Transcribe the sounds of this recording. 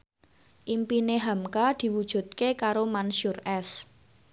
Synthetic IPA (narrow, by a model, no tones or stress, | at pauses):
ʔimpineɦamkad̪̥i̤wud̥ʒ̥ṳt̪̚kekaɾomanʃʊrɛs